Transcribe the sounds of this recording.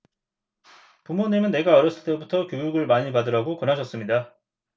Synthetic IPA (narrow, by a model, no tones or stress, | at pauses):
pumonemɯnːe̞ɡaʌɾjʌs͈ɯɭt͈ebutʰʌkjojuɡɯɭmaɲipadɯɾaɡokʌnɦaɕʰʌs͈ɯmɲida